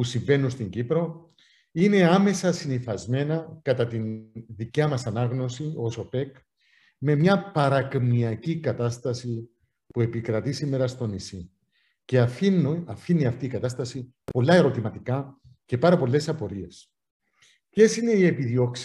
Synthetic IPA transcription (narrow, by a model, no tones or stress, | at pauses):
pusiɱve̞nːunst̪iɲɟipɾo̞ | ine̞ɐme̞sɐsiniθɐzme̞nɐkɐt̪ɐt̪inðicɐmɐsɐnɐɣno̞sio̞so̞pe̞k | me̞mɲɐpɐɾɐkmiɐcikɐt̪ɐst̪ɐsi | pue̞pikɾɐt̪isime̞ɾɐst̪o̞nisi | ce̞ɐfinɐfinːiɐft̪iːkɐt̪ɐst̪ɐsi | po̞lːɐe̞ɾo̞t̪imɐt̪ikɐ | ce̞pɐɾɐpo̞lːe̞sɐpo̞ɾie̞s | ce̞sine̞ie̞piðio̞ks